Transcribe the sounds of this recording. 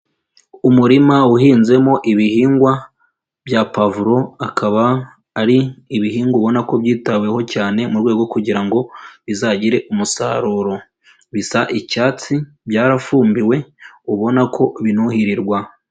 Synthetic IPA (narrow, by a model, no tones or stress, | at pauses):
umuɾimauhiːnze̞mo̞ʔiβihiːŋɡwa | bjapavuɾo̞akʰaβaː | ɾiːβiɦiːŋɡuβo̞nako̞bjiːtaβwe̞ho̞caːne̞muɾɡwe̞ːɡo̞kuɟiɾaŋɡo̞βizaɟiɾe̞ʔumusa̰ɾuɾo̞ | βisaʔicaːt͡si | bjaːɾafuːmbiwe̞uβo̞nakʰo̞βinuhiɾiɾɡwa